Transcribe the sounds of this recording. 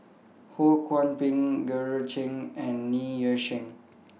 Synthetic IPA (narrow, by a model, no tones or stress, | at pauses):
hokʰwɔ̃npĩŋɡəɹət͡ʃĩŋɛ̃nːijəʃĩŋ